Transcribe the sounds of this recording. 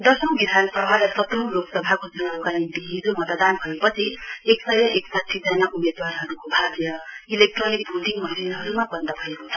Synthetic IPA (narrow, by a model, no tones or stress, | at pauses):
d̪ʌsʌwbid̪ʱansʌbʱalasʌt̪loloksʌbʱakod͡zʌnakaint̪iɦid͡zomʌt̪d̪anbʱʌjepʌt͡sʰieksʌjʌʔeksat̪ʰjid͡zanaʔumed̪warɦʌɾukobʱaɡjʌilek̚ʈronik̚bʱud̪ʱiŋmʌninɦʌɾumabʌnd̪ʌbʱʌekot͡sʰʌ